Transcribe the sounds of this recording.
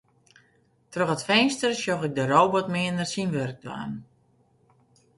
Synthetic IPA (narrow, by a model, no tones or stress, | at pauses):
trøxətfɛjnstərsjoxɪk̚dəɾowbɔtmɪəndərsinʋørk̚dwa̰ːn